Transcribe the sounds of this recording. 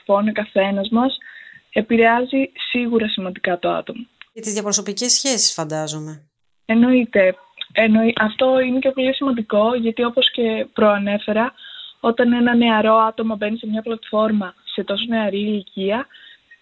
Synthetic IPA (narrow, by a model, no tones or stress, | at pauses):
fo̞nokɐθe̞nɐzmɐse̞piɾeɐzisiɣuɾɐsimɐnd̪ikɐt̪oɐ̰t̪o̞mɐʝɐt̪izðjɐpɾoso̞picesçe̞si̥sfɐnd̪ɐzo̞me̞ | e̞no̞it̪e̞ | enoiʔɐft̪o̞ine̞cepo̞lisimɐnd̪iko̞ʝɐt̪io̞po̞sce̞pɾo̞ɐne̞fe̞ɾɐo̞t̪ɐne̞nɐne̞ɐɾo̞ɐt̪o̞mɐbe̞nise̞mɲɐplɐt̪fo̞ɾmɐse̞t̪o̞s̬o̞ne̞ɐɾiːliciɐ